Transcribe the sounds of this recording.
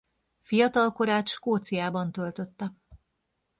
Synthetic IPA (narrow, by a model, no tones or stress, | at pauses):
fijɒt̪ɒlko̞ɾaːt̪ʃʃkoːt̪sijaːbɒnt̪ølt̪ø̞t̪ːɛ